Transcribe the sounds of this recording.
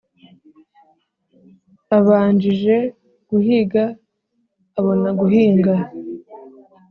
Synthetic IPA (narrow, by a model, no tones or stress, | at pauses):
aβaːɲd͡ʒiʒe̞ | ɡ̥uɦiɡaː | βo̞naɡuɦiːŋɡa